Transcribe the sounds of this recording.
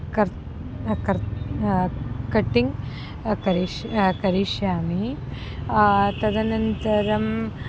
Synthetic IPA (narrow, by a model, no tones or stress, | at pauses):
kɐɾ | kɐɾ | kɐʈːiŋ | kɐɾikɐɾiʂjaːmi | t̪ɐd̪ɐnɐnt̪ɐɾɐm